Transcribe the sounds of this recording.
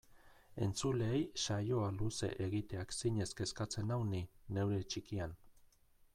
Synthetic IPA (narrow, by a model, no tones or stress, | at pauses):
e̞nt͡suleːjʃajo̞aluse̞̰ʔeɣit̪e̞aksiɲe̞ske̞skat͡se̞nawnine̞wɾe̞t͡ʃikian